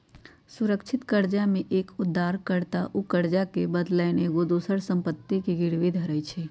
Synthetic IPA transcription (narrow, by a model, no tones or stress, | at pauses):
sʊɾəkt͡ʃʰɪt̪kəɾd͡ʒamẽʔeːkʊd̪ʱːaːɾkəɾt̪aʔukəɾd͡ʒakebəd̪lɛːneɡod̪uːsəɾsə̃mpət̪ːikiɡɪɽʋid̪ʱəɾəjt͡ʃʰeː